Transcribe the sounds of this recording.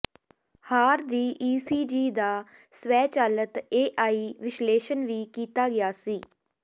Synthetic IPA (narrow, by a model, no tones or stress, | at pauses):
haːɾd̪iːʔiːsiːd͡ʒiːd̪aː | swɛːt͡ʃaːlət̪eːʔaːiːʋɪʃleːʃənʋiːkiːt̪aːɡɪjaːsiː